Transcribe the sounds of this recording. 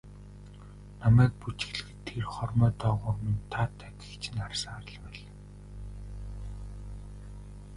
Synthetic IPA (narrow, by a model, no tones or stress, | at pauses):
namæːk̚put͡ɕɪ̥̆xɮɘ̆kt̪ʰːerχɔrmœːt̪ɔːʁʊːrmint̪ʰaːt̪ʰːæt̪ɪ̥̆kt͡ɕʰɪ̆narsəŋaɾə̆ɮpæːɮ